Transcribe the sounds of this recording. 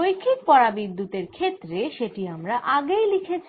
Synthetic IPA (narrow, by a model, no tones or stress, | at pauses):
ojkʰːik̚pɔɾabid̪ːut̪eɾkʰet̪ːɾeʃeʈiamɾaʔaɡejlikʰet͡ɕʰ